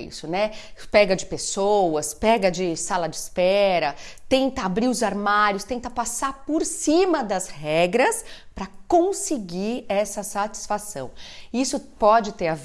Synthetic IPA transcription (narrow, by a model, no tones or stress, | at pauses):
ḭsʊnɛpɛɡɐd͡ʒɪpesowɐspɛɡɐd͡ʒɪsalɐd͡ʒɪspɛɾɐt̪ẽnt̪ɐabɾiɾʊzaɾmaɾjʊst̪ẽnt̪ɐpasaɾpoɾsĩmɐd̪ɐzhɛɡɾɐspɾɐkõsɪɡiɾɛsɐsat͡ʃi̥sfasɐ̰̃w̃isʊpɔd͡ʒɪt̪eɾav